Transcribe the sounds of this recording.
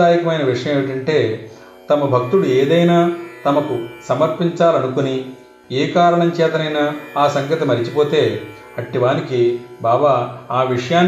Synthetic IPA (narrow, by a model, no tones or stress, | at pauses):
aːjikɐmɐjnɐʋiʂɐjɐmeːʋiʈɐɳʈe̞ː | t̪ɐmɐbʱɐk̚t̪uɽueːd̪ɐjnaːt̪ɐmɐkusɐmɐɾpiɲt͡ʃaːlɐnukuni | eːkaːɾɐɳɐmt͡ʃɛːt̪ɐnɐjnaaːsɐŋɡʱɐt̪ɐmɐɾit͡ʃipo̞ːt̪e̞ː | ɐʈːiʋaːnikibaːbaaːʋiʂɐjaːn